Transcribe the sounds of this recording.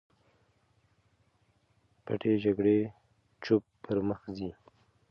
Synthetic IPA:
pa̰ʈʰed͡ʒaɡɽe | t͡ʃʊpːəɾməxzi

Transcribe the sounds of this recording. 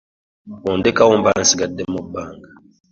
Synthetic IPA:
wɔndɛkawɔmban̩siɡadɛmɔbaŋɡa

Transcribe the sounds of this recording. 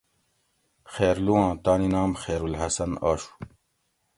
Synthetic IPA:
xeːɾluãːt̪aːninaːmxeːɾulɦɐsɐnaːɕu̥

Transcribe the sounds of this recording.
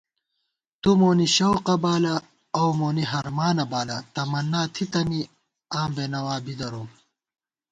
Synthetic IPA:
t̪umoːniɕɐwqɐbaːlɐː | wmoːniɦɐɾmaːnɐbaːlɐt̪ɐmɐnːaːt̪ʰit̪ɐni | ãːmbeːnɐwaːbid̪ɐɾom

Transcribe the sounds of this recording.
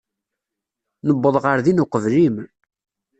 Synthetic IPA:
nəbːəðˤʁəɾðinʊqəvlim

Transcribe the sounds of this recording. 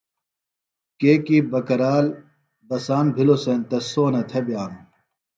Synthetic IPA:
keːkibɐkɐɾaːl | bɐsaːnbʱilosent̪ɐsoːnɐt̪ʰebjaːnu

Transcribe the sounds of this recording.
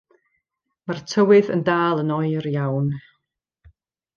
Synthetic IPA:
martʰəwɨðə̰ndaːlˠənɔɨrjawn

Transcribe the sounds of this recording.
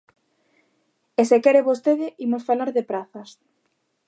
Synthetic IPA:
esekɛɾeβost̪eðɪʔimosfalaɾðepɾaθɐs

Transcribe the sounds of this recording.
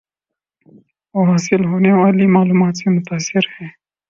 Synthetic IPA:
woɦaːsɪlɦoːneʋaːlimaːluːmaːt̪semʊt̪aːsːɪɾhɛː

